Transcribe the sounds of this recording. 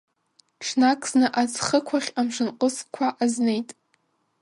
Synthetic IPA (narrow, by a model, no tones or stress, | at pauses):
ʈ͡ʂʰnakʰʼznɨʔat͡sχəkʷʰaχʲamʂɨnqʼəskʷʰaʔaznejtʼ